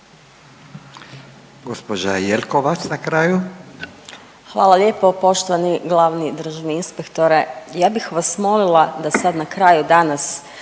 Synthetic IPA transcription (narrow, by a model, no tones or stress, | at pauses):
ɡospod͡ʒajelʲkoʋat͡ʃ̪nakɾaːju | xʋaːlˠalje̞ːpo̞po̞ʃt̪oʋaniɡlˠaʋnid̪ɾ̩ʒaʋniinspekt̪oɾejaːbixʋasmo̞lilˠad̪asad̪nakɾajud̪anas